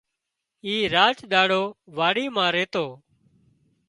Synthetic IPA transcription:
iːɾaːt͡ʃɗ̪aːɽoːʋaːɽiːmãːɾeːt̪oː

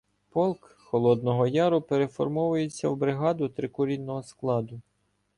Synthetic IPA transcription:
pɔlˠk | xɔlˠɔd̪̚nɔɦɔjɑɾʊpeɾe̞fɔrmɔʋʊjet͡sʲːɐwbɾɪɦɑd̪ʊt̪ɾɪkʊɾʲinːɔɦɔsklˠɑd̪ʊ

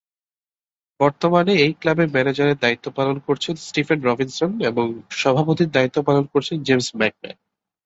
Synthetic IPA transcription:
bɔɾt̪omaneejklabeɾmɛned͡ʑaɾeɾd̪ait̪ːopalonkoɾt͡ɕʰensʈifʰenɾɔbinsoneboŋʃɔbʱapot̪iɾd̪ait̪ːopalonkoɾt͡ɕʰend͡ʑemsmɛk̚mḛn

